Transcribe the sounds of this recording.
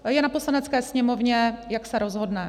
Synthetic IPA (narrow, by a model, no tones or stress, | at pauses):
jɛnaposlanɛt͡skɛːsɲɛmovɲɛjaksɛɾʔozɦo̞dnɛ